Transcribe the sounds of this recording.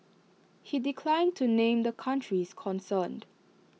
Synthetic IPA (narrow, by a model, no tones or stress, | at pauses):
hidikʰlãɪ̃ntʰunẽmd̪əkʰãntʰɹiskʰɔ̃nsənd